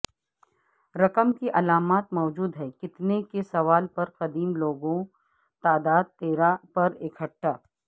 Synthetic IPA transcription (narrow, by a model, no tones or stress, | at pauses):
ɾɐkəmkiʔɐlaːmaːt̪mɔːd͡ʒuːd̪ɦɛːkɪt̪nekesɐʋaːlpɐɾqɐd̪iːmloːɡõ | t̪aːd̪aːd̪̚t̪eːɾapɐɾɪkʰəʈːaː